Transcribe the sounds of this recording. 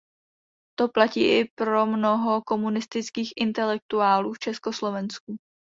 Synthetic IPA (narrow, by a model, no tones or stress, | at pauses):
t̪o̞placḭːʔɪpɾo̞mno̞ɦo̞ko̞munɪst̪ɪt͡skiːxʔɪnt̪ɛlɛk̚t̪uaːluːft͡ʃɛsko̞slo̞vɛnsku